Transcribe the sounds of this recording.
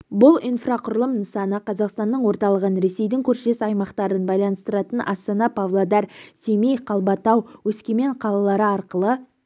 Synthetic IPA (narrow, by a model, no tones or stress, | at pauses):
bʊlˠijnfraqʰʊɾlˠəmnəsɑnəqʰɑzɑqst̪ɑnːəɴwo̞ɾt̪ɑlˠəʁənɾe̞se̞jd̪ɪŋkʲʰɵɾʃe̞sɑjmɑqt̪ɑɾənbɑjlˠɑnəst̪əɾɑt̪ənʔɑ̰st̪ɑnɑpʰavlˠod̪ɑɾsemijqʰɑlˠbɑt̪ɑwwɵskʲeme̞ɴqʰɑlˠɑlˠɑɾəɑɾqəlˠə